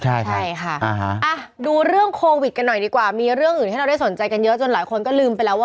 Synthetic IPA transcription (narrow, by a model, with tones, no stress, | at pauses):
t͡ɕʰa˥˩jt͡ɕʰaa˥˩jkʰa˥˩ʔa˧ɦa˦˥ʔa˧˩ | duː˧ɾɯ˥˩əŋkʰoː˧wi˨˩t̪̚ka˧nːɔ˨˩jdiː˧kwaː˨˩miː˧ɾɯ˥˩əŋʔɯː˨˩nʰː˥˩˧da˥˩so˩˦nt͡ɕa˧jka˧njɤ˦˥ʔt͡ɕo˧nlaː˩˦jkʰo˧nkɔː˥˩lɯː˧mpa˧jlɛː˦˥waː˥˩